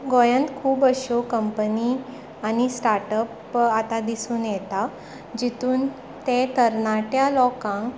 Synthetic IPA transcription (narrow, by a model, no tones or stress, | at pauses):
ɡɔjə̃nt̪kʰuːbəɕokəmpəni | añisʈaɾʈəp | at̪ad̪isuːnjɛt̪a | d͡ʑit̪uːn | t̪ẽt̪əɾnaʈjalɔkãŋ